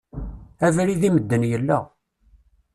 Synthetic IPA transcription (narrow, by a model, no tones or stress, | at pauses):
ævɾiðiməd̪ːənjəlːæ